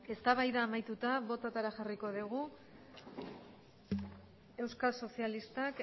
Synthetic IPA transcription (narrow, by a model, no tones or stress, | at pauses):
e̞st̪aβajðaːmajt̪ut̪aβo̞t̪at̪aɾaʝariko̞ðuɣu | e̞wskalso̞sialist̪ak